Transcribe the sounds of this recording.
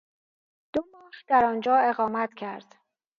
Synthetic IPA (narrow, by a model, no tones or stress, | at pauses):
d̪̥omɒːhd̪æɾɒːnd͡ʒɒːe̞ɣɒːmæt̪cʰæɾd̪̥